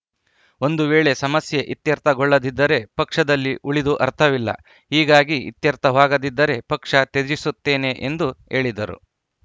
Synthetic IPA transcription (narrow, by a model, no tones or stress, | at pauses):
o̞nd̪uʋeːɭe̞sɐmɐsjeʔit̪jɐɾt̪ʰɐɡɔɭːɐd̪id̪ːɐɾe̞pɐkʂɐd̪ɐlːiʔuɭid̪uʔɐɾt̪ʰɐʋilːɐ̰ | ɦiːɡaːɡiḭt̪jɐɾt̪ʰɐʋaːɡɐd̪id̪ːɐɾe̞pɐkʂɐt̪ed͡ʒisut̪ːe̞ːne̞ʔend̪ue̞ːɭid̪ɐɾṵ